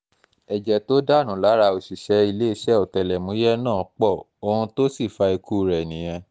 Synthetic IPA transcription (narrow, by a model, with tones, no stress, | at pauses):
ɛ˨d͡ʒɛ˨to˦da˦˨nũ˨˦la˨˦ɾa˧o˨ʃi˨ʃɛ˨˦i˧le˦i˦˨ʃɛ˦o˨tɛ˨lɛ˨mũ˨˦jɛ˦nãː˦˨˦k͡pɔ˦˨ | o˧hũ˧to˦si˦˨fa˧i˧kʰu˦˨ɾɛ˨nĩ˨j̃ɛ̃˧